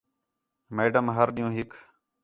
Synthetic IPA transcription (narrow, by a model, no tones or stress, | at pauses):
meːɖəmɦəɾɗĩjũːɦɪkʰ